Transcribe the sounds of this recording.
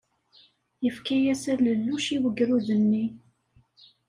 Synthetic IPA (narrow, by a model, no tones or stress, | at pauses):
jəfkæjæsæləlːuʃiwəɡɾuðənːi